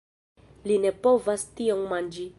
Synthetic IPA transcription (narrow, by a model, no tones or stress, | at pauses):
linepovastiommand͡ʒi